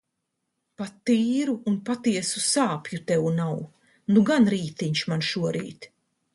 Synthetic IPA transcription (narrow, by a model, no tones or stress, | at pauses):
pat̪ːiːɾuːnpat̪iɛsusaːpjut̪ɛwnaw | nuɡanɾiːt̪iɲʃmanʃuɔɾḭːt̪